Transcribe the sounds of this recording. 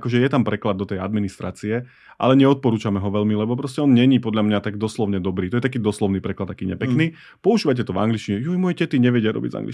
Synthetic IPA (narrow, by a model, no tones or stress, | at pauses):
kɔʒɛjɛt̪ampɾɛklad̪ːɔt̪ɛjad̪minist̪ɾa̰ːt͡siɛ | ʔa̰lɛɲɛɔt̪̚pɔɾuːt͡ʃamɛɦɔʋɛʎmilɛbɔpɾɔscɛɔnɲɛɲipɔd̪ʎamɲat̪aɡd̪ɔslɔʊɲɛd̪ɔbɾiːt̪ɔjɛt̪akiːd̪ɔslɔʊniːpɾɛklad̪akiːɲɛ̰pɛkniː | pɔuʒiːʋac̬ɛt̪ɔvaŋɡliʃciɲɛjujmɔjɛcɛt̪iɲɛʋɛɟɪaɾɔ̰bḭɟza̰ŋɡlḭ